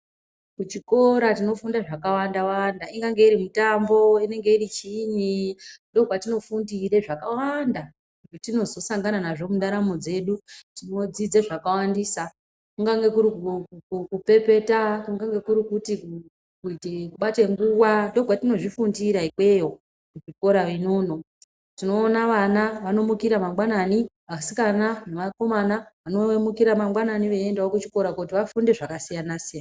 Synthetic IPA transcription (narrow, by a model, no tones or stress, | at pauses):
kut͡ʃiko̞ɾatino̞fundaʐakawandawandaiŋɡaŋɡe̞iɾimutambo̞ine̞ŋɡe̞iɾit͡ʃinindo̞ɡʱwatino̞fundiɾe̞ʐakawanda | kutitino̞zo̞saŋɡananaʐo̞muɗaɾamo̞d͡ze̞ɗutino̞d͡zid͡zeʐakawandiːsa | kuŋɡaŋɡe̞kuɾikukukupe̞pe̞takuŋɡaŋɡe̞kuɾikuti | kuitekuɓate̞ŋɡuwado̞ɡʱwatino̞ʐifundiɾaikwe̞jo | kuʐiko̞ɾaʋinoːno̞ | tino̞ːnaʋanaʋano̞mukiɾamamɡwanani | asi̥kananeʋako̞manaʋano̞emukiɾamamɡwananiʋeendaokut͡ʃi̥ko̞ɾakautiʋafunde̞ʐakasijanasijana